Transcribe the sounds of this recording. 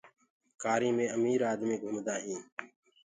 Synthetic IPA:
kaːɾĩːmẽːəmiːɾaːd̪mĩːɡʱʊmd̪aːɦĩː

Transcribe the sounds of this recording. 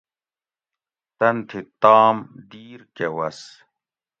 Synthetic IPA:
t̪ɐnt̪ʰit̪aːmd̪iːɾkewɐs

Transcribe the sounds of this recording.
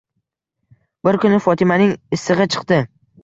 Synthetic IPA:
bɪɾkʊnɪfɒt̪ʰɪmanɪŋɪsːɨʁɨt͡ʃʰɨ̥qt̪ɪ

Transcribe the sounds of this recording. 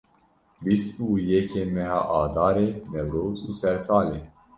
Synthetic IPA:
bisuːjɛkʰeːmɛɦaːʔaːd̪ɑːɾeːmɛwɾoːt͡suːsɛɾsaːleː

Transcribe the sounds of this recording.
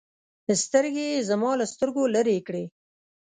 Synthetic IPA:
d̪əst̪əɾɡezamɑlast̪əɾɡoləɾekɽe

